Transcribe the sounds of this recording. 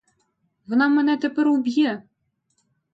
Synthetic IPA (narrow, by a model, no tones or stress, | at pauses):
vɤ̆nɑmːɘ̆næt̪ɘ̆pɘ̆ɾubje